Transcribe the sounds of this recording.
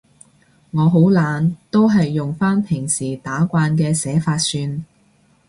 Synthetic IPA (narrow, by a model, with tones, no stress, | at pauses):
ŋɔː˨˧ɦo˨˥wlaː˨˧nt̪o˥wɦɐ˨jːʊ˨ŋfaː˥npʰɪ˨˩ŋsiː˨˩t̪aː˨˥kʷaː˧nkɛː˧sɛː˨˥faː˧t̚syː˧n